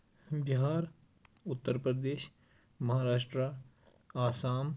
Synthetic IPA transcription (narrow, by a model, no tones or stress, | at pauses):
bɪɦaːɾ | ʊt̪ːəɾpɾəd̪eːʃ | mɐɦaːɾaːʃʈɾa | aːsaːm